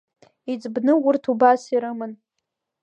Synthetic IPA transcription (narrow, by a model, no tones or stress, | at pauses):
id͡zʼbnɨwʊrtʰubasiɾɨmɨn